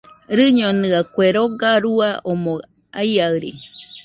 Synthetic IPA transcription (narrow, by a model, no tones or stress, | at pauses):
ɾɨɲonɨakʷeɾoɡaɾuaʔomõ | aiaɯɾi